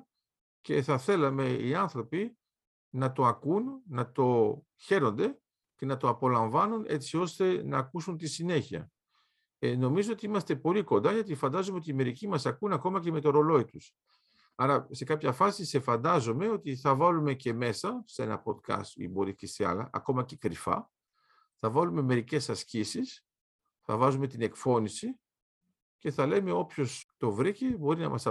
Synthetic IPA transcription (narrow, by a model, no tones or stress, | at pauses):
ce̞θɐθe̞lɐme̞iɐnθɾo̞pi | nɐt̪o̞ɐkunːɐt̪o̞ | çe̞ɾo̞nd̪e̞ | ce̞nɐt̪o̞ɐpo̞lɐɱvɐnune̞t͡sio̞st̪e̞nɐːkusunt̪isine̞çiɐ̰ | eno̞mizo̞ot̪iimɐst̪e̞po̞liko̞nd̪ɐʝɐt̪̬ifɐnd̪ɐzomeot̪iːme̞ɾicimɐsɐkunɐko̞mɐce̞me̞t̪o̞ɾo̞lo̞it̪us | ɐɾɐse̞kɐpçɐfɐsise̞fɐnd̪ɐzome̞o̞t̪iθɐvɐlume̞ce̞me̞sɐse̞̰nɐ̰po̞t̪kɐ̰st̪ḭboɾiceseɐ̰lɐ̰ʔɐ̰ko̞mɐcekɾifɐ̰ | θɐvɐlume̞me̞ɾice̞sɐscisis | θɐ̰vɐzume̞t̪ine̞kfo̞nisi | ce̞θɐle̞me̞o̞pço̞st̪o̞vɾicebo̞ɾinɐ̰mɐsɐ